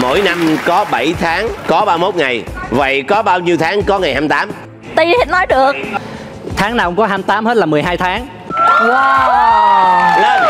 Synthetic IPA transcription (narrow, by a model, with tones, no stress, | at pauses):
mo̰˧˥˨jna˧mkɔ˨˦ɓə˧˩jt̪ʰaː˨˦ŋkɔ˨˦ɓaː˧mo˦˥t̚ŋa˨˩jvə̰˧˨jkɔ˨˦ɓaː˧wɲi˧wt̪ʰaː˨˦ŋkɔ˨˦ŋa˨˩jhaː˧mt̪aː˨˦m | t̪ə˧ji˨˧˩nɔ˨˦jɗɨ˨˩əkk̚ | t̪ʰaː˨˦ŋaː˨˩wkʊ̰˧˦ŋ͡mkɔ˨˦ɦaː˧mt̪aː˨˦mhe˦˥t̚laː˨˩mɨ˨˩əjɦaː˧jt̪ʰaː˨˦ŋ | waː˧ | lː